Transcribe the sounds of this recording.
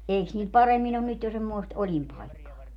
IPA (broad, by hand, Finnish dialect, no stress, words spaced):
eiks niːl pɑremːin on nyt jo semːoest olʲimpɑikːɑː